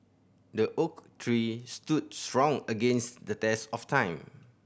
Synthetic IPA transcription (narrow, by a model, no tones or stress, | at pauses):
dəʔoktʰɹistud̚stɹɔ̃ŋəɡẽnsdətɛsɔftʰãɪ̃m